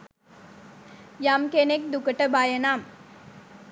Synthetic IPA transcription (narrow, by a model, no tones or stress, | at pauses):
jaːmkenek̚d̪ukːɐʈːɐbaːjɐnaːm